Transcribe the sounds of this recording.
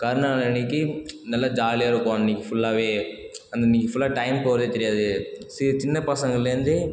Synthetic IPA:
kɐɾɯɳaːnɪkːɯnɐlːad͡ʒaːlɪjaːɪɾɯkːʊʋaːnnːiːkːɯfʊlːaːʋeː | ɐnd̪niːkːɯfʊlːaːʈɐɪmpoːʋɾɐðeːt̪ɛɾɪjaːðɯsɪt͡ʃɪnːɐpɐsɐŋɡɐɭɪlːɐɾɯnd̪ɯ

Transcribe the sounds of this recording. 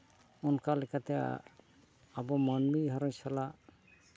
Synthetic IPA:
unkalɛkat̪ɛja̰ | abɔmanmiɦaɾəɲsalaʔ

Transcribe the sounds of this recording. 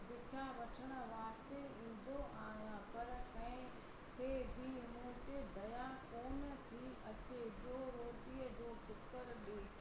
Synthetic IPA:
bɪʈʰaʋɐʈʰəɽ̃ʊ̆ʋaːst̪eĩːn̆d̪oʔaːɦijãpɐɾt̪ɐ̃ɦɪ̃ | kʰeːbʱimũːʈed̪ɐjakoːnət̪ʰiʔɐt͡ɕed͡ʑoːɾoːʈiəd͡ʑoːxʊt̪kəɾɗeː

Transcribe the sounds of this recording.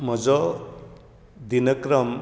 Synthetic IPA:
mɔd͡ʒɔ | d̪inʌkɾʌm

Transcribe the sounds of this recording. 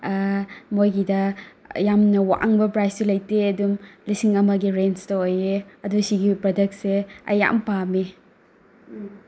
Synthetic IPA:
mojɡidɐjamnɐwa̰ʔaŋbɐpɾajsulɐjteɐdumlisiŋɐmɐɡiɾenstɐojeɐdusiɡipɾodɐk̚tseɐ̰ja̰mpami

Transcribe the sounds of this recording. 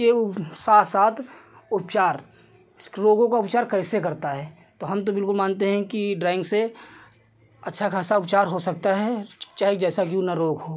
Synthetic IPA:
esaːt̪ʰsaːt̪ʰ | ʊpt͡ʃaːɾ | ɾoːɡõkaʊpt͡ʃaːɾkɛːsekɐɾt̪aɦɛː | t̪oɦɐmt̪̬obɪlkʊlmãːnt̪eɦɛ̃kiɖɾaːɪ̃ŋɡse | ɐtːʃʰakʰaːsaʊpt͡ʃaːɾɦosɐk̚t̪aɦɛt͡ʃaːɦed͡ʒɛːsakiunɐɾoːɡɦoː

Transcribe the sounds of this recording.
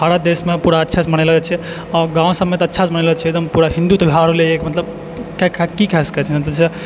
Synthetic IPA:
aːɽad̪esmepuːɽaətːʃʰat͡ʃməñelɔt͡ʃʰɛ | ɔɾɡãːõsəmet̪ɐtːʃʰat͡ʃməñelɔt͡ʃʰied̪əmpuːɾaɦĩnd̪ut̪ɔbʱiɦaɾɦoleekmət̪ləb | kakkikɛsə̥kɛt͡ʃʰɛmət̪ləbse

